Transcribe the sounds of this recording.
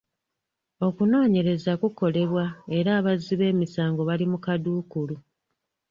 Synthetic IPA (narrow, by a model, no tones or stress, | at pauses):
o̞kuno̞ːɲe̞ɾe̞zakuko̞le̞βwae̞ɾaːβaziβe̞ːmisaːŋɡo̞βalimukaduːkulu